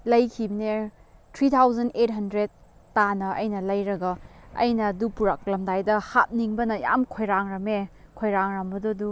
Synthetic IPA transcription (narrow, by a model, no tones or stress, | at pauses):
lɐjkʰibɐnetʰɾitʰawzɐnet̚ɦɐndɾed̚ː | anɐʔɐ̰jnɐlɐjɾɐɡɐɐ̰jnɐdupuɾak̚lɐmdajdɐhat̚niŋbɐnɐja̰mkʰojɾaŋɾɐmekʰojɾaŋɾɐmbɐdudu